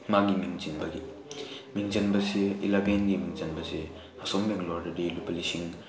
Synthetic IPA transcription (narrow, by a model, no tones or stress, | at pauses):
maɡimiŋt͡ʃinbɐɡi | miŋd͡ʒinbɐseilabenɡimiŋzɐnbɐse | ɐsɔmbeŋlɔɾdɐdilupɐlisiŋ